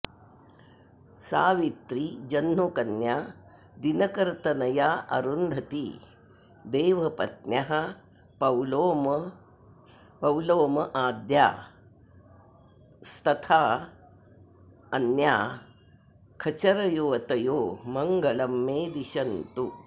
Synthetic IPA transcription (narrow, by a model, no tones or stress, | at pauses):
sa̰ːʋit̪ɾid͡ʒɐnmokɐnjaː | d̪inɐkɐɾt̪ɐnɐjaːʔɐ̰ɾund̪ʱɐt̪i | d̪eːʋɐpɐ̰t̪̚njɐɦɐ | pɐwloːmɐ | pɐwloːmɐʔaːd̪ja̰ː | st̪ʰɐt̪ʰaː | ɐnjaː | kʰɐt͡ʃɐɾɐjoːɐt̪ɐjoːmɐŋɡɐlɐmːeːd̪iʃɐnt̪u